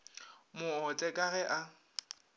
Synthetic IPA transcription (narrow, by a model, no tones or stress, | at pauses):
mʊɔt͡sʼɛkʼaɣɛʔa